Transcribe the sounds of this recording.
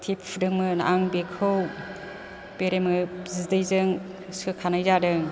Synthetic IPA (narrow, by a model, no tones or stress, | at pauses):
tʰipʰdɯŋmɯnaʔaŋbekʰɯw | peɾemɯzidajzɯŋ | sʰɯkʰanajzadɯŋ